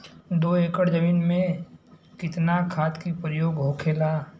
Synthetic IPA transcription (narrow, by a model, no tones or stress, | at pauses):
d̪oːeːkəɽd͡ʒəmiːnmẽkɪt̪nakʰaːt̪kipɾəjoːɡɦoːkʰeːlaː